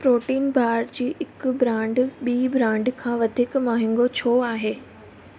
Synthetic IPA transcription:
pɾoːʈiːnbʱaːɾd͡ʑiːʔɪkbɾãːɳɖɓiːbɾãːɳɖkʰãːʋɐd̪ʱɪkmaːɦɪ̃ŋɡot͡ɕʰoːaːɦeː

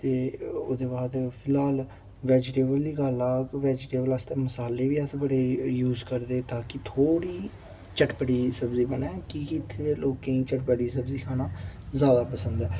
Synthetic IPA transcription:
t̪eːoːd̪eːbaːd̪pʰɪlaːl | ʋɛːd͡ʒʈeːbəld̪iːɡəlaːkʋɛːd͡ʒʈeːbələst̪ẽːməsaːlːeːʋiːəsbəɽeːjuːzkəɾd̪eːt̪aːkɪt̪ʰoːɽiː | t͡ʃəʈpəɽiːsəbziːbənɛːkɪkɪɪt̪ʰːed̪eːloːkẽːĩːt͡ʃəʈpəɽiːsəbziːkʰaːnaːzjaːd̪aːpəsə̃nd̪ɛː

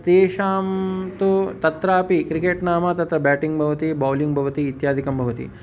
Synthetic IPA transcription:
t̪eːʃaːmt̪ut̪ɐt̪ɾaːpikɾikeːʈnaːmɐt̪ɐt̪ɾɐbɛːʈiŋɡbʱɐʋɐt̪ibaːljuŋɡbʱɐʋɐt̪iːt̪jaːd̪ʱikɐmbʱɐʋɐt̪ḭ

